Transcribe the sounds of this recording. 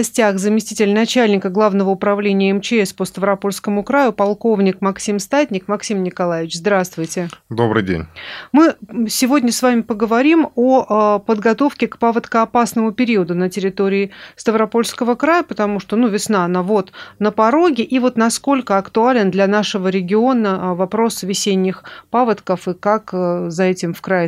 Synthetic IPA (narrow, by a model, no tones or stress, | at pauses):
ɐsʲtʲaxzəmʲɪsʲtʲitʲɪlʲnɐt͡ɕælʲnʲɪkəɡlˠavnəvəʊpɾɐvlʲenʲɪjəɛmt͡ɕɪɛspəst̪əvɾɐpo̞lʲskəmʊkɾajʊpɐlˠko̞vnʲɪkmɐksʲimst̪atʲnʲɪkmɐksʲimnʲɪkɐlˠajɪvʲɪt͡ɕzd̪ɾast̪vʊjtʲɪd̪obɾɨjdʲḛnʲmɨsʲɪvo̞dʲnʲəsvamʲɪpəɡəvɐɾʲimopəd̪ɡɐt̪o̞fkʲɪkpavət̪kəɐpasnəmʊpʲɪɾʲiəd̪ʊnətʲɪɾʲɪt̪oɾʲɪːst̪əvɾɐpo̞lʲskəvəkɾajəpət̪ɐmuʂt̪onuvʲɪsnaɐnavot̪nəpɐɾo̞ɡʲɪʔivo̞t̪nɐsko̞lʲkəɐkt̪ʊalʲɪnd̪lʲɐnaʂəvəɾʲɪɡʲɪo̞nəvɐpɾo̞svʲɪsʲenʲːɪxpavət̪kəfɨkakːzɐɛtʲɪmfkɾa